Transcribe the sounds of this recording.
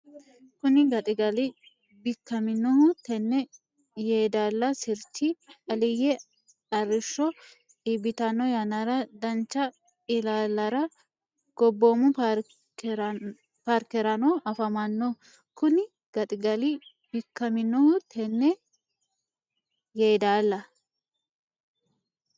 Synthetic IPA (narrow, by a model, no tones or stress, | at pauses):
kʊnɪɡɐt̪ʼɪɡɐlɪ | bɪkːɐmɪnːɔhʊt̪ɛnːɛ | jeːd̪aːlːɐsɪɾt͡ʃːɪɐlɪjɛ | ɐrːɪʃːɔ | ibɪt̪ɐnːɔjɐnɐɾɐd̪ɐnt͡ʃːɐ | ɪlaːlːɐɾɐ | ɡ̥ɔbːoːmʊ | paɾkɛɾɐnɔʔɐfɐmɐnːɔ | kʊnɪ | ɡ̥ɐt̪ʼɪɡɐlɪ | bɪkːɐmɪnːɔhʊt̪ʰɛnːɛ | jeːd̪aːlːɐ